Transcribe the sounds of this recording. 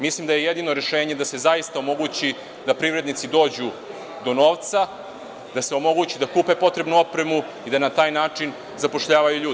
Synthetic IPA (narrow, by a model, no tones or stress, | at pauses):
mislimd̪ajeje̞d̪ino̞ɾe̞ʃe̞ːɲe̞d̪ase̞zajist̪ao̞mo̞ɡut͡ɕi | d̪apɾiʋɾe̞d̪nit̪sid̪o̞ːd͡ʑu | d̪o̞no̞ːʋt̪sa | d̪ase̞o̞mo̞ɡut͡ɕid̪akuːpe̞po̞t̪ɾe̞bnuo̞pɾe̞mu | id̪anat̪aːjnaːt͡ʂin | zapo̞ʃʎaːʋajuʎuːd̪